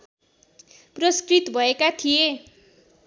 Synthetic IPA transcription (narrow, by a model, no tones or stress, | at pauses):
prʌskrit̪bʱʌekat̪ʰije